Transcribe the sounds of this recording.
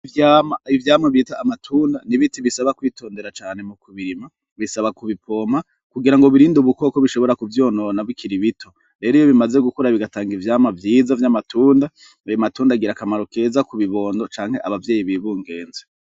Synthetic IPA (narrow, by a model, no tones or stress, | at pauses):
ivjaːmaivjaːmaβiːtaːmatʰuːndaniβitiβisaβakwiːtʰo̞ːnde̞ɾat͡ʃaːne̞mukuβiɾima | βisaβakuβipʰo̞ma | kuɡiɾaŋɡoβiɾiːnduβuko̞ːkoβiʃo̞βo̞ɾakuvjo̞ːno̞ːnaβikʰiɾiβitʰo̞ | ɾe̞ːɾijoβimaze̞ɡukuɾaβiɡataːŋɡivjaːmavjiːzavjamatuːnda | ajomatuːndaɡiɾakamaɾo̞ke̞ːzakuβiβo̞ːndo̞t͡ʃaːŋ̥he̞ʔaβavje̞ːjiβiβuːŋɡe̞ːnze